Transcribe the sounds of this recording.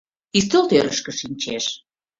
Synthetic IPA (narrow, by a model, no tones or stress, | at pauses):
ist̪olt̪øɾəʃkə̆ʃinʲt͡ɕeʃ